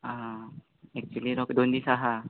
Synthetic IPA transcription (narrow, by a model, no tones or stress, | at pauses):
a | ɛk̚t͡ʃualiɾɔkd̪ond̪isaɦa